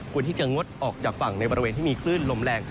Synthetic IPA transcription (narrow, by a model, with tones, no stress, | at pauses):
kʰu˧ənt̪iː˥˩t͡ɕa˨˩ŋo˦˥t̪̚ʔɔː˨˩k̚t͡ɕaː˨˩k̚fa˨˩ŋna˧jbɔː˧ɾi˧eː˧niː˥˩mː˧kʰlɯː˥˩nlo˧mlɛː˧ŋ